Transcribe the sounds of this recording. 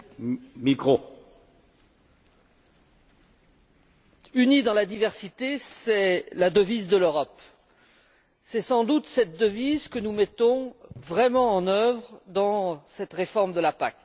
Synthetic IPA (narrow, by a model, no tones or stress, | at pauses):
mikʁo | ynid̪ɑ̃lad̪ivɛʁsit̪esɛlad̪əvizd̪əløʁɔp | sɛsɑ̃d̪ut̪sɛt̪̚d̪əvizkənumɛt̪ɔ̃vʁɛmɑ̃ːnœvʁd̪ɑ̃sɛt̪ʁefɔʁmd̪əlapak